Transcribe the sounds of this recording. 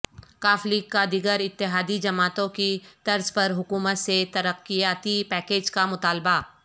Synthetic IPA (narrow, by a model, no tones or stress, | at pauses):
kaːfliːkːad̪iɡəɾɪt̪ːɪɦaːd̪id͡ʒɐmaːt̪õkit̪ɐɾzpɐɾɦʊkuːmət̪set̪ɐɾəqːijaːt̪ipɛːkeːd͡ʒkamʊt̪aːlba